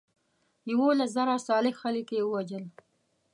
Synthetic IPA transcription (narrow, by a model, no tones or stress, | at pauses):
jawolas̬zaɾasɑlɪxxələkjewəwad͡ʒəl